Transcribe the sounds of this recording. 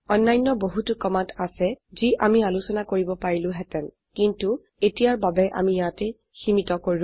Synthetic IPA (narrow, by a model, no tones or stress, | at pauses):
ɔnːajnːɔboɦutukɔmatʰasɛziʔamialusɔnakoɹibɔpaɹilʊ̃ɦɛtɛn | kintu | etijaɹbabɛʔa̰mijatɛ | ximitɔkoɹĩ